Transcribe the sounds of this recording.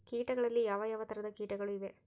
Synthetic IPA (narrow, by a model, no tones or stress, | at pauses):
kiːʈːɐɣɐɭɐlːeɐʋɐjɐʋɐt̪ːɐɾɐðɐkiːʈːɐɣɐɭɯɪʋe